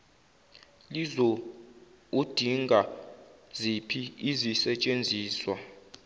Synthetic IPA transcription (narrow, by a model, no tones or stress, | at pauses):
lizo | ud̥ʱiŋɡʱa | zipʰiːzisɛt͡ʃʼend͡zʱiːswa